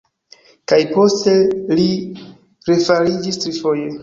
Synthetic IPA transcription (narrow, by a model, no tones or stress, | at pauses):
kajpo̞ste̞li | ɾe̞faɾid͡ʒistɾifo̞je